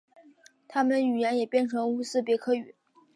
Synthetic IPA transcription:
t̪ʰa˥mə˨ny˨˩jɛ˧˥njɛ˨˩pjɛ˥˩nʈ͡ʂʰɤ˧˥ŋu˥sɹ̩˥˩p̬jɛ˧˥kʰɤ˥˩y˨˩˦

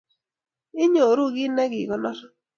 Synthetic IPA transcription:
ɪ˦ɲo˨ɾu˦ɡɪ˦nɛ˦ɡɪ˨ɡɔ˨nɔ˦ɾ

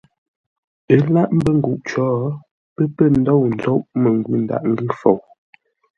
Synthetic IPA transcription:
ə˦la˦ʔm̩˦bə˦ŋ̩˨ɡu˨ʔt͡ʃɔː˦ | pə˦pə˦˨n̩˦dɔ˦˨wn̩˨˦zɔ˦ʔmə˨ŋ˨ɡwi˦˨n˨da̰˨ʔŋ˦ɡi˦fo˨w

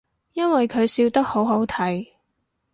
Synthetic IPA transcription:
jɐ˥nwɐ˨jkʰɵ˨˧ɥsiː˧wt̪ɐ˥k̚ho˨˥wɦo˨˥wt̪ʰɐ˨˥j

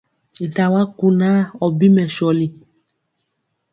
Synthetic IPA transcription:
da˨wa˦ku˨nã˦ɔ˨bi˦mɛ˨ʃɔ˨li˨

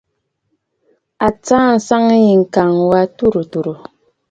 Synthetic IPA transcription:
a˨t͡saː˦n̩˨sa˦ŋ˦ji˨ŋ̩˨ka˨ŋwa˦tu˦˨ɾo˨tu˨ɾo˨

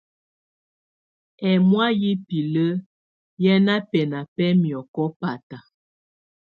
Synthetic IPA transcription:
ɛ˨mwa˦ji˦pi˨lə˦ | jɛ˦na˦pɛ˨na˨pɛ˦mjɔ˨kɔ˦pa˨ta˨

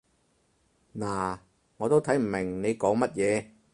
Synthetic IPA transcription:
naː˨˩ | ŋɔː˨˧t̪o˥wt̪ʰɐ˨˥jm̩˨˩mɪ˨˩ŋne˨˧jkɔː˨˥ŋmɐ˥t̚jɛː˨˧

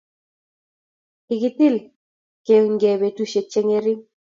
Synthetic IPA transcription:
ɪ˨kɪ˦t̪i˦˨l | ke˨ŋɡe˨be˨tu˦ʃe˨t͡ʃe˦ŋe˦ɾi˦

